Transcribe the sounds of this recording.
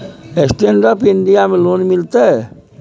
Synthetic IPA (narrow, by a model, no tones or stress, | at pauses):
esʈ̪enɖapinɖijamelonmilt̪e